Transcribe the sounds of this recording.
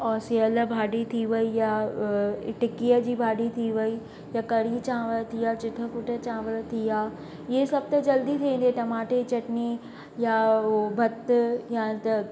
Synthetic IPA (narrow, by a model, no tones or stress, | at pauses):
ɔːsiələbʱaːɗit̪ʰiʋɐija | ʈɪkiːəd͡ʑiːbʱaːɗit̪ʰiʋɐi | jakɐɽit͡ɕãːʋəɭt̪ʰiaːt͡ɕɪʈ̪ʰə̆fʊʈʰət͡ɕãːʋəlt̪ʰiaː | ɪɦesɐb̚t̪ɐd͡ʑɐld̪it̪ʰiẽnd̪eʈ̪ɐmaːʈet͡ɕɐʈni | jabʱɐt̪jat̪ɐ